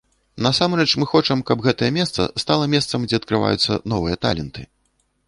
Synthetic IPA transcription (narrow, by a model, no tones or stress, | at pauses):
nɐsamɾɛt͡ʂmɨxɔt͡ʂɐmkɐbɣɛt̪ɐjɛmʲɛst̪sɐ̰st̪alˠɐmʲɛst̪sɐmd͡zʲɛɐt̪̚kɾɨva̰jut̪sːɐ̰nɔvɨjɐt̪a̰lʲɛnt̪ɨ